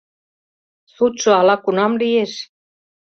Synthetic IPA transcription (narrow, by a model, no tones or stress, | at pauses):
sut̪ʃɤ̆ɑlɑkunɑmlijeʃ